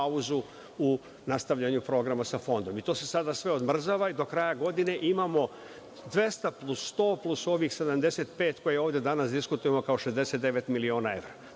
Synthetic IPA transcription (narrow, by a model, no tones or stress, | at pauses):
auzu | u | nast̪aʋʎaɲupɾo̞ɡɾamasafo̞nd̪o̞mit̪o̞ːse̞sad̪asʋe̞o̞d̪mr̩zaːʋaid̪o̞kɾajaɡo̞d̪ine̞ʔimaːmo̞ | d̪ʋe̞st̪aplˠusːt̪o̞ːplˠuso̞ːʋixse̞d̪amd̪e̞se̞ːt̪pe̞ːt̪ko̞jeo̞ːʋd̪jed̪anasd̪iskut̪ujemo̞kao̞ʃezd̪e̞se̞t̪d̪e̞ʋe̞t̪milio̞ːnae̞ʋɾa